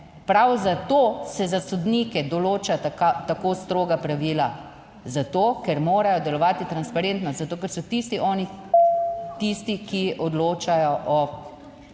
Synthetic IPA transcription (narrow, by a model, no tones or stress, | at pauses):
pɾawzat̪oːsɛzasɔd̪nikɛd̪ɔloːt͡ʃatat̪akoːst̪ɾoːɡapɾaʋiːla | zat̪oːkɛɾmoːɾajɔd̪ɛlɔʋaːt̪it̪ɾanspaɾent̪nɔst̪zat̪oːkɛɾsɔt̪ist̪iʔɔːni | t̪ist̪ikiʔɔd̪loːt͡ʃajɔʔɔ